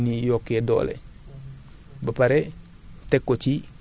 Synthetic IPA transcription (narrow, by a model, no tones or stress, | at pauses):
nijokːedo̰ːlḛ | bapaɾe | tekːot͡ʃi